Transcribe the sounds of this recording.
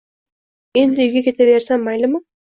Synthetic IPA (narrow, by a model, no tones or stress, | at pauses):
e̞nd̪ɪʊjɡʲekʲʰe̞t̪ʰeβe̞ɾsammajlɪmɪ